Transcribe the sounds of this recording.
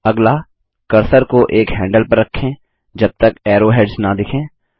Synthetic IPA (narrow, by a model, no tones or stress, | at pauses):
ɐɡla | kɐɾsəɾkoʔeːkɦɛ̃ːɳɖəlpɐɾːɐkʰːẽ | d͡ʒɐb̚t̪ɐkɛːɾoːɦeːɖsnad̪ɪkʰẽː